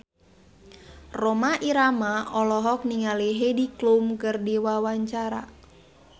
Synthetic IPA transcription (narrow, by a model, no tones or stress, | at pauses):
rɔmaʔiɾamaʔɔlɔɦɔk̚niŋaliɦediklumkɨrdiwawaɲt͡ʃaɾa̰